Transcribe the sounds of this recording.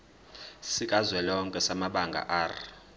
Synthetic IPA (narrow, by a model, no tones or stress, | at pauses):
sikʼazwɛlɔŋkʼɛsamaɓaŋɡʱa̰ʔaːr